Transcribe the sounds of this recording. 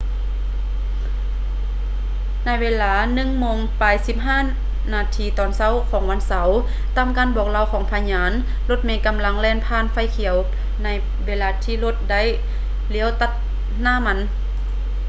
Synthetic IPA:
na˧˥jʋeː˧˥laː˨˧˦nɯ˧˨ŋmoː˧ŋpaː˨˩jsi˧˥p̚ɦaː˧˥˩ | naː˧t̪ʰiː˧˩t̪ɔː˨˩nsa˧˥˨wkʰɔː˨˦ŋwʋa˧˥nsa˨˦w | t̪aː˧˥˨mkaː˧˨nbɔː˨˩k̚la˧˨wkʰɔː˨˦ŋpʰa˧ɲaː˨˦˥n | lo˧˦t̪̚meː˧˥ka˧˨mla˧˥ŋlɛː˧˥˨npʰaː˧˥˨nfa˧˥˩jkʰi˨˦əw | na˧˥j | weː˧˥laː˧t̪ʰiː˧˨lo˧t̪̚da˥˨j | li˧˦əwt̪a˧t̪̚ | naː˧˥˨ma˧˥n

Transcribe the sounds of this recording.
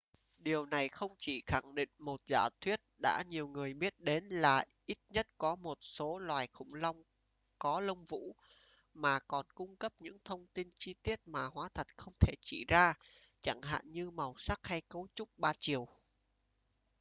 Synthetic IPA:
ɗi˨˩əwna˨˩jxə˧wŋ͡mt͡ɕi˧˩xa˧˩ŋɗḭ˧˨ŋ̟mo˨˩t̚za̰ː˧˩wt̪ʰwi˦˥ət̚ɗa̰ː˧˥ɲi˨˩əwŋɨ˨˩əjɓi˦˥ət̚ɗe˨˦nla̰ː˨˩ʔi˦˥t̚ɲə˦˥t̚kɔ˨˦mo˨˩t̚so˨˦lwaː˨˩jxʊ̰˧˥˩ŋ͡mla˧wŋ͡m | kɔ˨˦lə˧wŋ͡mvṵ˧˥ | maː˨˩kɔ˨˩nkʊ˧ŋ͡mkə˦˥p̚ɲɨ̰˧˥ŋt̪ʰə˧wŋ͡mt̪i˧nt͡ɕi˧t̪i˦˥ət̚maː˨˩hwaː˨˦t̪ʰə˨˩t̚xə˧wŋ͡mt̪ʰe˧˩t͡ɕḭ˧˩zaː˧t͡ɕa˧˩ŋɦa̰ː˧˨nɲɨ˧ma˨˩wsa˦˥k̚ha˧jkə˨˦wt͡ɕʊ˦˥k͡p̚ɓaː˧t͡ɕi˨˩əw

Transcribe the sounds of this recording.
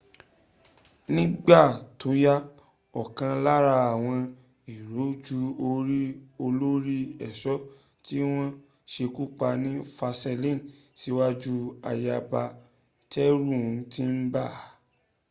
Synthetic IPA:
nĩ˦ɡ͡ba˦˨to˨˦ja˦ | ɔ˨kã˧la˦ɾa˧a˨w̃ɔ̃˧ | i˨ɾo˨˦d͡ʒu˧o˧ɾi˦o˧lo˦ɾi˦ɛ˦˨ʃɔ˦ | ti˦w̃ɔ̃˦ | ʃe˧ku˦k͡pa˧nĩ˦fa˧sɛ˧lĩ˦˨n˨ | si˨˦wa˦d͡ʒu˦a˧ja˧ba˧ | tɛ˦ɾũ˦˨˦tĩ˦n̩˦ba˦˨

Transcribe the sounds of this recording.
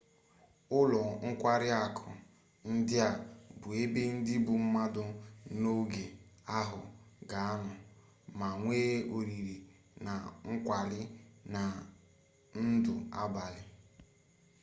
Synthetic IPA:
ʊ˦lɔ˨ŋ̩˦kʷa˦ɾɪ˦a˨kʰʊ˨ | n̩˦dɪ˦a˨bʊ˨e˦be˦n̩˦dɪ˦bʊ˨m̩˦ma˦dʊ˦no˦ɡe˨a˦ɦʊ̰˨ɡa˨a˦nʊ˨ | ma˨ŋʷeː˦ʔo˨ɾi˨ɾi˨ | na˨ŋ̩˦kʷa˨lɪ˦na˨ | n̩˦dʊ˨a̰˦ba˨lɪ˨

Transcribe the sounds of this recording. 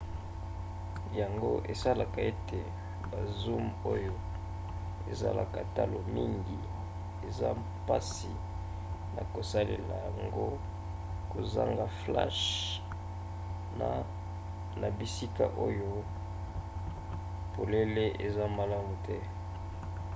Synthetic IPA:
ja˨ŋɡo˦ʔe˨sa˦la˨ka˨e˦tʰe˨ | ba˨zu˦mo˦jo˦ | ḛ˨za̰˦la˨ka˨ta˦lo˨mi˦ŋɡi˨ | e˨za˦ | pa˦si˨ | na̰˨ko˨sa˦lḛ˨la˨ja˨ŋɡo˦ | ko˨za̰˦ŋɡa˨fla̰˦ʃ | na˨ | na˨bi˨si˦ka̰˨ʔo˦jo˦ | po˨le˦le˦ʔe˨za˦ma˨la˦mu˨tɛ˦

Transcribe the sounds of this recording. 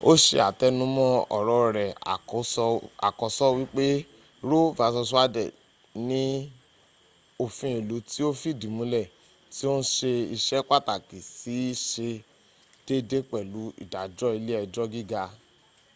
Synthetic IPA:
o˦ʃḛ˧a̰˨tɛ˧nũ˨˦mɔ̃˦ɔ̰˨ɾɔ˧˨ɾɛ˨a̰˨˦a̰˨kɔ˨˦sɔ˦wi˦k͡pe˦ | ɾo˦˨va˨˦sɔ˧s̬u˦a˦dɛ̰˦˨ | nĩ˦ | o˧fĩ˦e˨lu˨˦ti˦o˦fi˦˨dĩ˨mũ˨˦lɛ˦˨ | ti˦o˦n̩˦ʃe˧i˧ʃɛ˦k͡pa˦˨ta˨ki˨si˨˦ʃe˧ | d̥e˦de˦k͡pɛ˦˨lu˨˦ḭ˦˨da˨d͡ʒɔ˦i˧le˦ɛ˧d͡ʒɔ˦ɡi˦ɡa˧

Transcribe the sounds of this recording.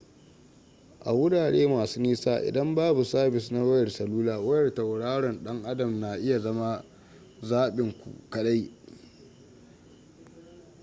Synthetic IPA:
ʔa̰˨wʊ˦daː˨ɽeː˦maː˨suː˦niː˦saː˦ʔɪ̰˨dɐ˦mbaː˦bu˨saː˦bɪ˨sna˦wɐ˦jɐ˨rsɐ˨luː˦laː˨wɐ˦jɐ˨rtɐ˨wɽaː˦ɽɔ˨nɗɐ˦ŋʔa˦dɐ˨mna˨ʔɪ˦ja˨zɐ˦ma˦ | zaː˦ɓɪ˨ŋkʷṵ˨kɐ˦ɗa˦j

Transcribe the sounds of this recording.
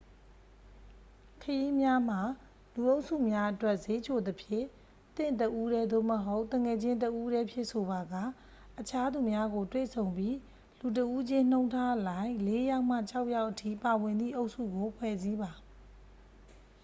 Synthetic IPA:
kʰəji˦mja˦m̥a˨ | lu˨ʔo˦ʊʔsṵ˦˨mja˦ʔətwɛ˦˨ʔze˦t͡ɕʰo˨d̪əpʰjɪ̰̃˦˨ | t̪ɪ̰̃˦˨ntəʔu˦ɾɛ˦d̪o˦˨məɦo˦ʊʔt̪ə˨ŋɛ˨d͡ʑɪ̃˦ntəʔu˦ɾɛ˦pʰjɪ̰̃˦˨sʰo˨ba˨ɡa˦˨ | ʔət͡ɕʰa˦d̪u˨mja˦ɡo˨twḛ˦˨sʰõ˨ʊ̃mpji˦ | lu˨t̬əʔu˦d͡ʑɪ̃˦n̥õ˦ʊ̃ntʰa˦ʔlã˨ɪ̃le˦ja˦ʊʔm̥a̰˦˨t͡ɕʰa˦ʊʔja˦ʊʔətʰḭ˦˨pa˨wɪ̃˨nd̪ðḭ˦˨ʔo˦ʊʔsṵ˦˨ɡo˨pʰwɛ˦˨zi˦ba˨

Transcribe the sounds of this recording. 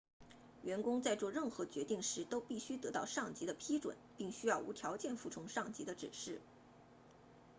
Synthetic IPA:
ɥɛ˧˥nkʊ˥ŋt͡sa˥˧ɪt͡swɔ˥˧ɻə˥˩nxɤ˧˥t͡ɕɥɛ˧˥t̪i˥˩ŋʂɻ̩˧˥t̪o˥ʊpi˥˩ɕy˥t̪ɤ˧˥t̪ɑ˥˧ʊʂɑ˥˩ŋt͡ɕi˧˥d̪ə˧pʰi˥ʈ͡ʂwə̰˨˩˦npi˥˩ŋɕy˥jɑ˥˩ʊu˧˥t̪ʰjɑ˧˥ʊt͡ɕjɛ˥˧nfu˥˩ʈ͡ʂʰʊ˧˥ŋʂɑ˥˩ŋt͡ɕḭ˧˥d̪ə˧ʈ͡ʂɻ̩˨˩ʂɻ̩˥˩

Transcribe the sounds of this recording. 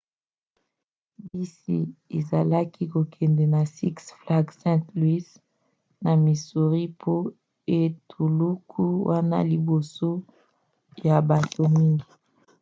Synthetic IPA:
bi˦sḭ˦e˨za˨la˦ki˦ko˨kʰɛ˨ndɛ˨na˨si˦ksfla˦ɡsɛ̃˦tlwi˦s | na˨mi˨su˨ʁi˦pʰo˦ | e˦tʰu˨lu˦kʰu˦wa˦na̰˦li˨bo˨so˦ | ja˨ba˨to˨mwi˦ŋɡi˨

